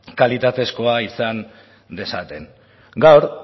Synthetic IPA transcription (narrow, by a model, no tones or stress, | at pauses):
kalit̪at̪e̞sko̞aisan | d̪e̞sat̪e̞n | ɡawɾ